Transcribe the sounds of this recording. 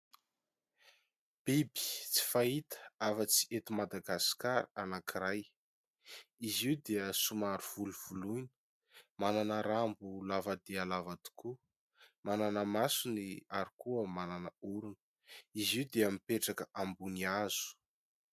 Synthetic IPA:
b̥ibi̥t͡si̥fait̪ə̥afət͡si̥ʔet̪imad̪aɡaskaɾanakiɾaj | iziwd̪eəsumaɾuv̥uluv̥ulunə̥ | mananəɾambulavad̪ealavat̪u̥ku | mananəmasuniaɾikuəmananəuɾunə̥ | iziwd̪eamipeʈ͡ʂakəʔambuniaz̥u̥

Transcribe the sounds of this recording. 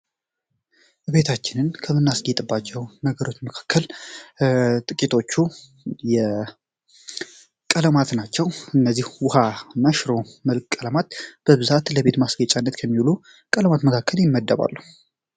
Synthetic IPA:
be̞t̪ʰat͡ʃːɪnɨnkʰəmɨnːasɡet̪ʼɨbːat͡ʃːɛwnəɡəɾo̞t͡ʃːməkʰḁkʰːəl | t̪ʼɨkʼit̪ʰo̞t͡ʃːu | jɛ | kʼələmat̪nat͡ʃːɛwɨnːəzːihwʊhanaʃɾo̞məlkʼkʼːələmat̪b̥əβɨzat̪ləβe̞t̪masɡət͡ʃʼanːət̪kʰəmːiwlu | kʼələmat̪məkʰakʰːəljɪmːəd̪ːəβa̰lːu

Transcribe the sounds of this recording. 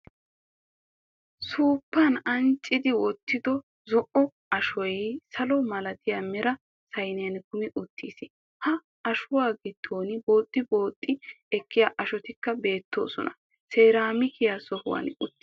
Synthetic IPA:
suːpːanɐnt͡ʃʼːɪd̪ɪwɔt̪ːɪd̪ɔ | zɔʔɔ | ɐʃɔjsɐlɔmɐlɐt̪ɪjamɛɾɐ | sɐjnɪjɐnkʊmɪʔʊt̪ʰːiːsɪ | hɐ | ɐʃʊwaːɡɪd̪̥ːoːnbo̞ːt̪ʼːɪbo̞ːt̪ʼːɪ | ɛkːɪjaːʔɐʃɔt̪ɪkːɐbe̞ːt̪ːo̰ːsɔ̰nɐ | seːɾaːmɪkɪjasɔhʊ̰wa̰ːnʊt̪ː

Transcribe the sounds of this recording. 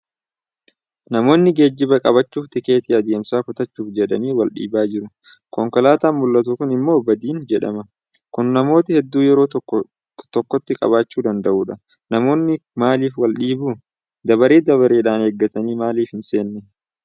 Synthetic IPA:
nɐmo̞ːnːɪɡe̞ːd͡ʒːɪbɐkʼɐβɐt͡ʃːuːft̪ɪke̞ːt̪ɪɐd̪eːmsaːkʊt̪ɐt͡ʃːuːfd͡ʒɛᶑɐniːwɐlɗḭːbaːd͡ʒɪɾʊ | kɔŋkɔlaːt̪aːmʊlːɐt̪ʊkʊnɪmːo̞ːbɐd̪iːnd͡ʒɛᶑɐ̰mɐ | kʊnːɐmo̞ːt̪ɪhɛd̪ːuːjɛɾoː | t̪ɔkːɔt̪ːɪkʼɐ̰baːt͡ʃːuːd̪ɐnd̪ɐʔuːᶑɐ | nɐmo̞ːnːɪmaːliːfwɐlɗiːbuː | d̪ɐbɐɾeːd̪ɐβɐɾeːᶑaːnheɡːɐt̪ɐniːmaːliːfhɪnse̞ːnːɛ

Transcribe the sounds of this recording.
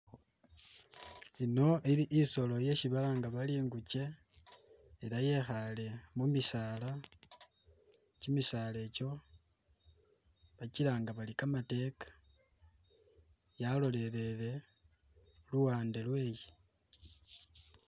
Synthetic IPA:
ino̞ʔiɾiʔːso̞lo̞je̞ʃiβalaŋɡaβaliːŋɡuce̞ | eɾaje̞xale̞mumisaːla | cimisale̞ːco̞ | βaciɾaŋɡaβalikamate̞kḁ | jalo̞le̞ɾe̞le̞ | luwaːnde̞lwe̞ːji

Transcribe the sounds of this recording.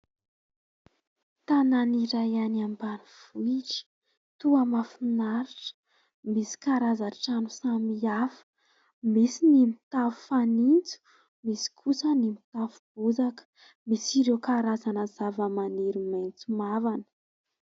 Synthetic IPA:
t̪ananiɾajanambaniv̥uiʈ͡ʂi̥ | t̪uamafinaɾiʈ͡ʂə̥ | misi̥kaɾazaʈ͡ʂanusamiafə̥ | misinimit̪avu̥fanint͡su̥ | misi̥kʰusənimit̪avub̥uzakə̥ | misiɾewkaɾazanəzavəmaniɾimajnt͡sumavanə̥

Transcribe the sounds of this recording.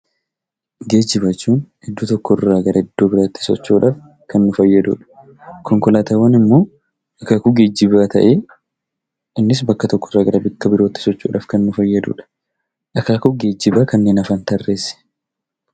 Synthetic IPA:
ɡeːd͡ʒɪβɐt͡ʃːuːn | ɪd̪ːuːt̪ɔkːɔɪrːaːɡɐɾɐɪd̪ːo̞ːbɪɾaːt̪ːɪ̥sɔ̰t͡ʃːuːᶑaːf | kɐnːʊfɐjːɐd̪ṵːᶑɐ̥ | kɔŋkɔlaːt̪ɐwɐnɪmːoː | ʔɐkaːkʊɡe̞ːd͡ʒːɪβaːt̪ʰɐ̰ʔeː | ɪnːɪs̬bɐkːɐt̪ɔkːɔrːaːɡɐɾɐbɪkːɐbɪɾo̞ːt̪ːɪ̥sɔt͡ʃːṵːᶑa̰ːfkɐnːʊfɐjːɐd̪ṵːᶑɐ̥ | ʔɐkaːkʊɡe̞ːd͡ʒːɪbaːkɐnːeːnɐfaːnt̪ɐrːeːsɪ̥

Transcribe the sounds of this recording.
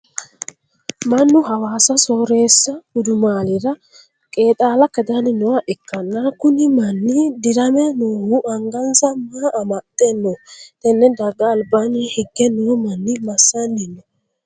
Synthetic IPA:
mɐnːʊɦɐwaːsɐsoːɾeːsːɐhʊd̪ʊmaːlɪɾɐ | kʼeːt̪ʼaːlɐkɛd̪anɪnːɔwɐʔɛkːɐnːakʊnɪmɐnːid̪ɪɾɐmɛnuwuʔɐŋɡɐnsɐmaʔːmɐt̪ʼːɛnːɔt̪ɛnːɛd̪ɐɡɐːlbanihɪɡːɛnːumɐnːɪmɐsːɐnːɪnːɔ

